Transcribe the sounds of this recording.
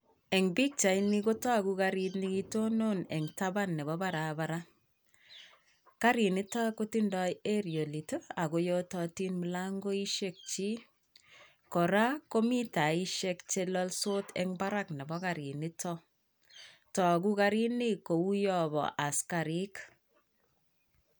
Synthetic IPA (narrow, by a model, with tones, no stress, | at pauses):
ɛ˨ŋbi˦k̚t͡ʃa˨jni˦ko˦tɔ˦kuka˧ɾitniki˦to˦no˦nɛ˨ŋtaba˦nːɛ˨bɔ˦ba˦ɾabaɾa˦ | ka˦ɾi˨ni˦ta˦ko˦ti˦ndɔje˦ɾjo˨li˨to˦a˨ko˨jo˦tɔti˦nmu˨laŋɡo˦i˦ʃek̚t͡ʃi˦ | kɔ˨ɾa˦ko˦mi˦ta˨i˦ʃekt͡ʃe˦lɔ˦lso˦tʰɛ̰ŋba˦ɾa˦knɛ˨bɔ˦kaɾi˨ni˦tɔ | tɔ˨ku˦ka˧ɾi˦ni˦ko˨u˦jɔ˦bɔ̰˨ʔa˨ska˨ɾi˦k